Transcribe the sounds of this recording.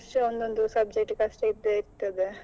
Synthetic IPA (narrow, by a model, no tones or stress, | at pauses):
sʈeond̪ond̪usɐb̚d͡ʒek̚ʈkɐsʈeid̪eiɾt̪ɐd̪e